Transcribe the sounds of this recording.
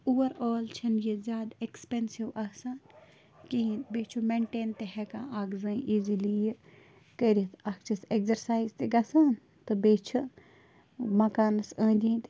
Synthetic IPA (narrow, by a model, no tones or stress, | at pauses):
uːwɐɾoːlt͡ʃʰɐnjizʲjaːd̪ekspensiwɐsaːn | kiinbeːt͡ʃʰumeɳʈeːnt̪ehɛkãːaːɡzɐ̃ːĩʔiːzilij | kəɾiɐt̪ɐkt͡ʃʰɐsekzɐɾsaːizt̪eɡɐsaːn | t̪ɨbeːt͡ʃʰu | mɐkaːnɐsə̃ːd̪iːt̪